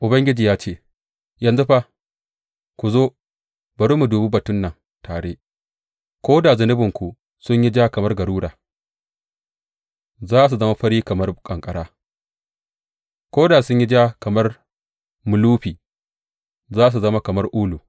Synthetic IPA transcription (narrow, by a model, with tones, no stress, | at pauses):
ʔʊ˨bɐ˦ŋɡʲɪ˦d͡ʒiː˨jaː˦t͡ʃeː˦˨ | jɐ˨nzu˦ɸa˦ | kʷu˨zoː˦ | bɐ˨ɽu˦mu˨duː˨bu˦bɐ˨tʊ˦nːɐ˨ŋ | taː˨ɽeː˦ | kʷoː˦da˨zɐ˨nɪ˦bɪ˨ŋkʷu˨ | sʊ˦ɲji˦d͡ʒaː˦kɐ˨mɐ˦rɡɐ˨ɽuː˦ɽa̰ː˨ | zaː˦ʔs̬u˨zɐ˦ma˦ɸɐ˦ɽiː˦kɐ˨mɐ˦rkʼɐ˨ŋkʼɐ˨ɽaː˦ | kʷoː˦da˨sʊ˦ɲji˦d͡ʒaː˦kɐ˨mɐ˦r | mʊ˨luː˦ɸiː˨ | zaː˦s̬u˨zɐ˦ma˦kɐ˨mɐ˦rʔuː˦luː˨